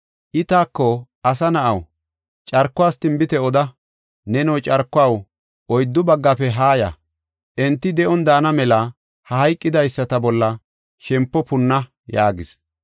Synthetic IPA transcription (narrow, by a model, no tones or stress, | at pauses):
ʔɪt̪aːkːɔ | ɐsɐnɐʔɐw | t͡ʃʼɐɾkːʊwaːst̪ɪmbɪt̪ɛɔd̪ɐ | nɛnɔwt͡ʃʼɐɾkːʊaːw | ɔjd̪ːʊbɐɡːɐpɛɦaːjɐ̰ | ʔɛnt̪ːɪd̪ɛʔɔnd̪aːnɐmɛlɐ | hɐhɐjkʼːɪd̪ɐjsːɐt̪ɐbɔlːɐ | ʃɛmpːɔpʊnːɐ | jaːɡɪs